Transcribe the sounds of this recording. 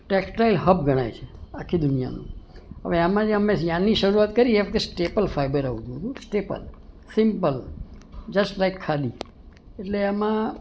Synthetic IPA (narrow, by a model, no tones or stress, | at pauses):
ʈeksʈailɦəb̚ɡʱəɽ̃ajt͡ʃʰe̥akʰːid̪ʊnija̰nṵ̃ɦə̰ʋeamãd͡ʒeəmesjãnːiʃəɾuat̪kəɾieʋk̪esʈepəlfajbəɾaʋũt̪ũɦt̪ũsʈepə̰l | sɪmpəl | d͡ʒəsʈlajkʰːad̪i | eʈleamã